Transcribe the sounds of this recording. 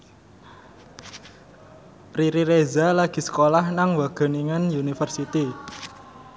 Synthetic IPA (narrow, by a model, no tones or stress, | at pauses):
pɾiɾiɾezalaɡ̥i̤sə̥kolahnaŋwaɡ̥ə̤niŋənjunifərsit̪i